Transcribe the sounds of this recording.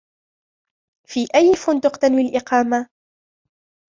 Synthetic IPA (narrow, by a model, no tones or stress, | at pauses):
fiːʔajːfʊnd̪ʊqt̪anwilʔɪqɑːma